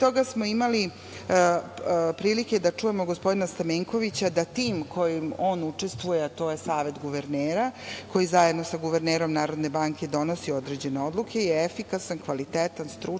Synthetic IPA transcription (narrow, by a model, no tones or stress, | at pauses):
t̪o̞ɡasmo̞imali | pɾiːlike̞d̪at͡ʂuje̞mo̞ɡospo̞d̪inast̪ameŋko̞ʋit͡ɕad̪at̪iːmkʰo̞jimo̞ːnut͡ʂe̞st̪ʋujeat̪o̞ːje̞saːʋe̞t̪ɡuʋeɾneːɾakʰo̞jizajed̪no̞saɡuʋeɾneːɾo̞mnaːɾo̞d̪ne̞baŋke̞d̪o̞no̞sio̞d̪ɾe̞d͡ʑe̞ne̞o̞d̪lˠukʰe̞jeefikasankʋalit̪eːt̪anst̪ɾu